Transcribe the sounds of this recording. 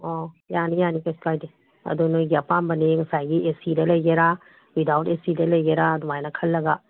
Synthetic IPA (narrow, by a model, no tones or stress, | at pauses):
ɔjanijanikaspajde | ɐ̰dunojɡiɐpambɐneŋsajɡiʔesidɐlɐjɡeɾa | widawtesidɐlɐjɡeɾadumajnɐkʰɐlːɐɡa